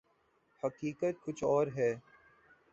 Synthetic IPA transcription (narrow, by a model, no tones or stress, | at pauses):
hɐkiːkət̪̚kʊt͡ʃʰɔːɾɦɛː